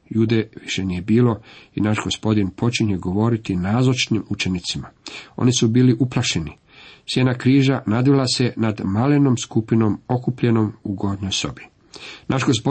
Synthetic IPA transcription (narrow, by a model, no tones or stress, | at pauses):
ʎuːd̪eʋiʃe̞nije̞biːlo̞inaʃɡo̞spo̞d̪inpʰo̞t͡ʃiɲeɡo̞ʋo̞ːɾit̪inaːzot͡ʃnimut͡ʃe̞nit̪simao̞̰nisubiːliʔuplˠaʃe̞ni | sjenakɾiːʒanad̪ʋilase̞nad̪maleno̞mskupino̞mo̞kupʎe̞no̞muɡo̞d̪nojso̞̰bi | nʔaʃɡo̞spo